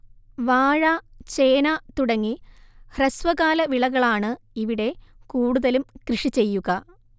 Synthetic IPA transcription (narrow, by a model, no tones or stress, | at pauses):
ʋaːɻat͡ɕeːnaːt̪uɽɐŋːihrɐsʋɐɣaːlɐʋiɭɐɣɐɭaːɳɨ | iʋiɽe̞kuːɽuðɐlumkrɨʂit͡ɕe̞jːuɣɐ